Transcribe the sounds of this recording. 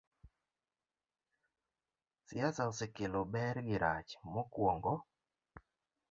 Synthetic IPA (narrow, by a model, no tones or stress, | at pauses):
sɪasaʊsɪkɪlɔbɛɾɡɪɾat͡ʃmokwɔŋɡɔ